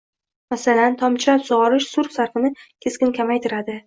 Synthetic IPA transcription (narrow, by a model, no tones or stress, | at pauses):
masalant̪ʰɒmt͡ʃʰɪɾapsoʁɒɾɪʃsʊɾfsaɾfɨnɪkʲʰe̞skʲɪnkʲʰamajt̪ʰɪɾad̪ɪ